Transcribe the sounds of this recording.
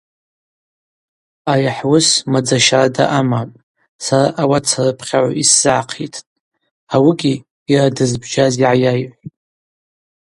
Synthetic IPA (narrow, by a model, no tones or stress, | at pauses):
ajaħwʊsmad͡zaʃarada̰ʔamapʼ | saraʔawat͡sʰarɨpʰχʲaʕʷa̰ʔisːɨʕaqʰitʰ | awiɡʲiː | radɨzbd͡ʒaziʕajajʕʷ